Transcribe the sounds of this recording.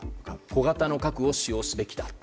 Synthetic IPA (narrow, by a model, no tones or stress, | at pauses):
ko̞ɡat̪ano̞kakɯ̟o̞ɕijo̞ːsɨbe̞kʲi̥d̪a